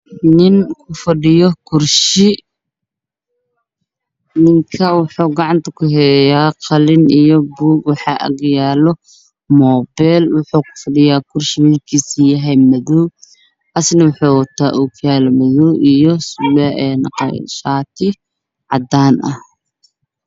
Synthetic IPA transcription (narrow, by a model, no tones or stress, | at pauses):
nɪŋkʰʊfɐɗɪjɔkʰʊrʃɪ | nɪŋkʰɐwʊħuːɡɑʕɑnt̪ʰɐkʰʊɦɛːjaːqɑlɪnijɔbuːɡwɑħɑːʔɐ̰ɡjaːlɔ | mɔːbɛlwʊħuːkʰʊ̥fɐɖɪjaːkʰʊrʃɪwiːlkʰiːsijɐɦɛjmɐðɔw | ʔɐsnɐwʊħuːwɐt̪ʰa̰ːʔʊkʰjaːlɐmɐðɔwʔijɔsʊlɛʔɛnqʃaːt̪ʰɪ | ʕɑd̪aːnʔɐ̰h